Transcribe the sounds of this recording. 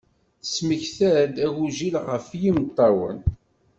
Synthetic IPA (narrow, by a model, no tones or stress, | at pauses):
θsməçθæɾd̪æwuʒilʁəfjimt̪ˤːɑwə̰n